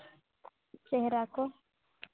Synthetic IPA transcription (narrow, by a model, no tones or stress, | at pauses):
t͡ʃɛɦɾako